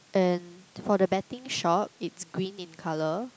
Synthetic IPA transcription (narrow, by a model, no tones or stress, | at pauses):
ʔɛ̃nfɔdəbɛtɪ̃ŋʃɔp̚ɪtsɡɹĩnɪ̃nkʰalə